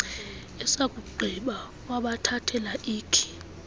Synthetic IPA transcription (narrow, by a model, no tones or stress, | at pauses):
ɛsak̬ʼuɡ͡ǃʱiɓa | waɓatʰatʰɛlaʔiːkʰi̥